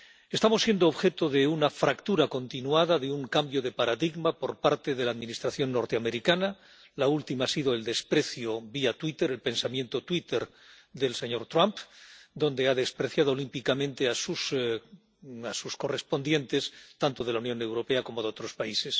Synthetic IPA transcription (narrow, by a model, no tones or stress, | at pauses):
e̞st̪amo̞sːje̞nd̪oːβxe̞t̪oðe̞unafɾakt̪uɾako̞nt̪inuaðaðeuŋkambjo̞ðe̞paɾaðiɣmapo̞ɾpaɾt̪e̞ðe̞laːðminist̪ɾaθjo̞nːo̞ɾt̪eame̞ɾikana | lault̪imaasiðo̞e̞ld̪e̞spɾe̞θjoβiat̪wit̪eɾe̞lpe̞nsamjẽ̞nt̪o̞t̪wit̪e̞ɾ | ðe̞lse̞ɲo̞ɾt̪ɾampd̪o̞nd̪e̞aðe̞spɾe̞θjað̞olimpikamẽ̞nt̪e̞asus | asusko̞re̞spo̞nd̪je̞nt̪e̞st̪ant̪o̞ð̞e̞launjo̞ne̞wɾo̞pe̞ako̞mo̞ðeo̞t̪ɾo̞spaise̞s